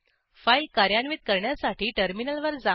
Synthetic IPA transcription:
failkaɾjaɳʋiːt̪̚kəɾɳjasaʈiːʈəɾminəlʋəɾd͡za

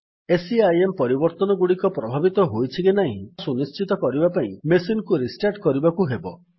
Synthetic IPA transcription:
esiajempɔɾibɔɾt̪ɔnɔɡuɽikɔpɾɔbʱabit̪ɔɦojt͡ʃʰiɡenaɦḭ̃sunist͡ʃit̪ɔkɔɾibapaĩmesinkuɾisʈaɾʈkɔɾibakuɦebɔ

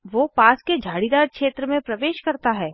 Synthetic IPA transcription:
ʋoːpaːsked͡ʒʱaːɽid̪aːɾkʃeːt̪ɾəmẽpɾɐʋeːʃkɐɾt̪aɦɛː

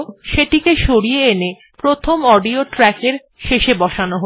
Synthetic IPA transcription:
ʃeʈikeʃoɽijeene | pɾot̪ʰomɔɖioʈɾɛkeɾ | ʃeʃebɔʃanoɦo

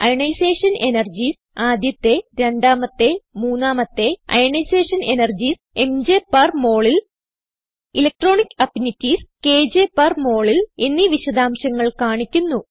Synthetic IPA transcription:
ɐ̰jɳɐjseːʂɐne̞nɐrd͡ʑis | aːd̪ʱjɐt̪ːe̞ɾe̞ɳɖaːmɐt̪ːe̞muːnːaːmɐt̪ːe̞ɐ̰jɳɐjseːʂɐne̞nɐrd͡ʑis | e̞md͡ʑeːpːɐrmo̞ːɭil | ilek̚ʈro̞ːɳikʲːɐpnitːiske̞ːd͡ʑeːpːɐrmo̞ːɭilenːiʋiɕɐd̪aːmɕɐŋːɐɭkaːɳikʲːunːu

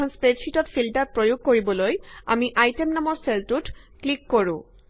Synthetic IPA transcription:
ɔnspɹetʃitɔtfʰiltat̚pɹojuɡ̚koɹibɔloja̰miʔajtemnamɔɹseltutklikːoɹṵ̃

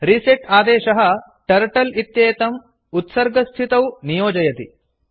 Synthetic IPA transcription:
ɾiseʈaːd̪eːʃɐɦɐ̆ | ʈɐɾʈɐlit̪jɐːɐt̪ɐm | ut̪sɐɾɡɐst̪ʰit̪ɐwnijoːd͡ʒɐjɐt̪i

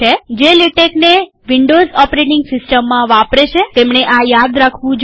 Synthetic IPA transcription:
ed͡ʒeliʈekne | ʋɪɳɖozɔpɾeʈɪ̃ŋɡsɪsʈəmːãʋapɾet͡ʃʰet̪emɳ̃eʔajad̪ɾakʰʋũd͡ʒ

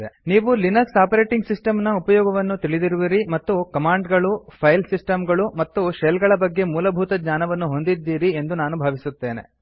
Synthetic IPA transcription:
ḛniːʋulinɐɾsaːpɐɾe̞ːʈiŋɡsisʈɐmnɐupɐjɔːɡɐʋɐnːut̪iɭid̪iɾuʋiɾimɐt̪ːukɐmaːɳɖɡɐɭupʰɐjlsisʈɐmɡɐɭumɐt̪ːuʃelɡɐɭɐbɐɡːe̞muːlɐbʱut̪ɐd͡ʒɲaːnɐʋɐnːuɦo̞nd̪id̪ːiːɾie̞nd̪unaːnubʱaːʋisut̪ːe̞ːne̞̰

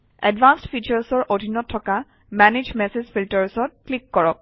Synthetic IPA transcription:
ɛ̰dbanstfʰit͡ʃəɹsɔɹʔodʱinɔtʰːɔka | mɛnid͡ʒmɛsed͡ʒfʰiltəɹsɔt̚klikːɔɹɔk̚

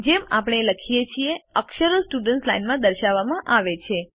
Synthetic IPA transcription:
d͡ʒema̰pɽ̃eləkʰijet͡ʃʰieəkʃəɾosʈuɖənslainmãd̪əɾʃaʋːamãʔaʋet͡ʃʰe

